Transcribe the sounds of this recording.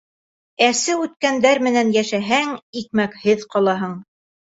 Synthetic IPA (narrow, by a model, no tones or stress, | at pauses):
æsɘʉt̪̚kænd̪æɾmɘ̆nænjæʃæɦæŋikmækhɘðqɑlˠɑɦɤɴ